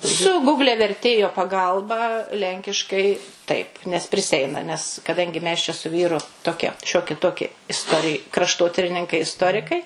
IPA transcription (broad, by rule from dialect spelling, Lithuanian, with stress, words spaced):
sʊ ˈɡʊɡlʲɛ ʋʲɛrʲˈtʲeːjoː pɐˈɡɐlˠbɐ ˈlʲɛŋʲkʲɪʃkɐɪ ˈtɐɪp nʲɛs pʲrʲɪˈsʲɛɪnɐ nʲɛs kɐˈdɐŋʲɡʲɪ mʲɛs t͡ʃʲɛ sʊ ˈʋʲiːrʊ toːˈkʲiɛ ˈʃʲoːkʲɪ ˈtoːkʲɪ ɪsˈtoːrʲɪj krɐʃˈtoːtʲɪrʲɪnʲɪŋkɐɪ ɪsˈtoːrʲɪkɐɪ